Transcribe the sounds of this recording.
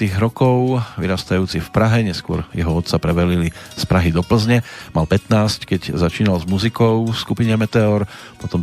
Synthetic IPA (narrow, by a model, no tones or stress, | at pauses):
t̪iːɣɾɔkɔʊʋḭɾaːst̪ajuːt͡sifpɾaɦɛɲɛskʊɔ̰ɾjɛɦɔɔt̪t͡sapɾɛbɛlilispɾaɦid̪ɔpl̩zɲɛmalpɛt̪naːsckɛɟzat͡ʃiːnalzmuzikɔʊskupiɲɛmɛt̪ɛɔɾ | pɔt̪ɔm